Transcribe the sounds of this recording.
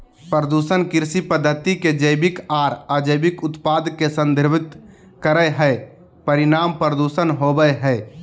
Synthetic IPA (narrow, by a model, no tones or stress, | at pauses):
pɾəd̪uːsənkɪɾsipəd̪ʱːət̪iked͡ʒəɪbɪkaːɾad͡ʒəjbɪkʊt̪paːd̪kesə̃nd̪ʱɪɾbɪt̪ | kəɾəjɦɛ | pəɾɪnaːmpɾəd̪uːsənɦoːbəjɦɛː